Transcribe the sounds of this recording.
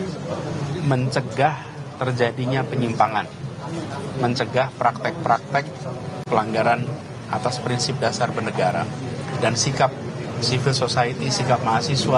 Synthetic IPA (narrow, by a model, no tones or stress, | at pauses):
məɲt͡ʃəɡah | t̪ərd͡ʒadiɲapəɲimpaŋan | məɲt͡ʃəɡahpɾak̚t̪ɛk̚pɾak̚t̪ɛk̚pəlaŋɡaɾan | ʔat̪aspɾinsɪp̚dasarbərnəɡaɾa̰dansikap̚sifilsosait̪isikap̚maasisua